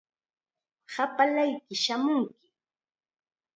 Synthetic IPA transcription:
sapalajkɪʃamʊŋkɪ

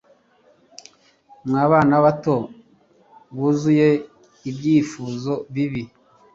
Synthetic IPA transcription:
mŋaːβaːnaβato̞ | ɡuzuje | ibjiːfuːzo̞βiβi

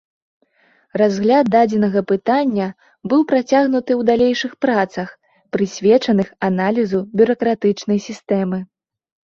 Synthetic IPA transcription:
razɣlʲat̪̚d̪ad͡zʲɛnɐɣɐpɨt̪anʲːɐ | bɨwpɾat͡sʲaɣnut̪ɨwd̪alʲejʂɨxpɾat̪sɐx | pɾɨsʲvʲɛt͡ʂɐnɨxanalʲizubʲuɾɐkɾat̪ɨt͡ʂnɐjsʲist̪ɛmɨ

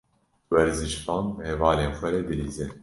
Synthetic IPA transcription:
wɛɾzɨʃfɑːnhɛvɑːleːnxʷɛɾɛd̪ɨliːzɨn

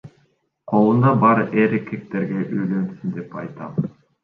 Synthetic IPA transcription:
qʰo̞lˠund̪ɑbɑɾɯʔeɾikʰek̚t̪eɾɡeʔøjlønsynd̪e̞pɑ̰jt̪ɑ̰m

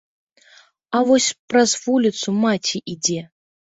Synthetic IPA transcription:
avɔsʲprɐzvulʲit̪sumatʲʰiʔid͡zʲe

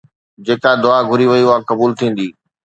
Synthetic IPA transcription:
d͡ʑeːkad̪ʊaɡʱʊɾiʋɐjuakɐbuːlt̪ʰĩːn̆d̪iː

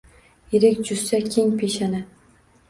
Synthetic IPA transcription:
ɪɾɪkʲd͡ʒʊsːakʲʰeŋpʰeʃanɪ

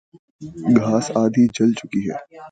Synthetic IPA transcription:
ɡʱaːsaːd̪ʱid͡ʒɐlt͡ʃʊkiɦɛ̰ː

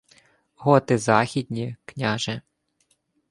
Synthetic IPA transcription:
ɦɔt̪ɪzɑxʲid̪ʲnʲiknʲaʒɛ

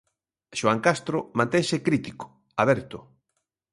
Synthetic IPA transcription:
ʃoaŋkast̪ɾʊmãnt̪eŋsɪkɾit̪ikʊ̥ | aβɛɾt̪ʊ

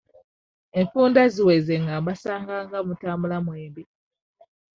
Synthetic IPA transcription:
eɱfuːndaziwezeŋɡaβasaːŋɡaŋɡamutaːmbulamweːmbi

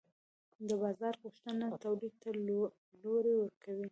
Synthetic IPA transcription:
d̪əbɑzɑɾɣuʃt̪ənat̪awlid̪̚t̪a | loɾewəɾkʰawi

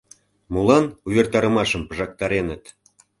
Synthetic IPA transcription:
mulɑnuβʲert̪ɑɾə̆mɑʃəmpəʒɑk̚t̪ɑɾenət̪

